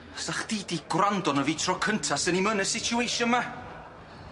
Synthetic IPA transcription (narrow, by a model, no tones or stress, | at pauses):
saχd̥iːdiɡwrandɔnəviːtʰrɔkʰəntʰasənimənəsɪt͡ʃʰjuejʃənma